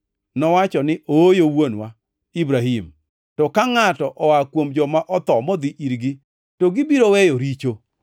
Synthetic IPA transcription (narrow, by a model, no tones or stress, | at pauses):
nɔwat͡ʃɔnɪʔojowonwa | ibɾaɦim | tɔkaŋatɔʔɔwakwomd͡ʒɔmaʔɔt̪ɔmɔd̪iʔiɾɡi | toɡɪbiɾowɛjoɾit͡ʃo